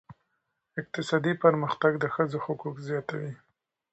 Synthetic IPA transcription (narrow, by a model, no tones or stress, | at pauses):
ɪq̚t̪ɪsɑd̪ipəɾməxt̪aɡd̪əxəd͡zoxʊkukzjɑt̪awi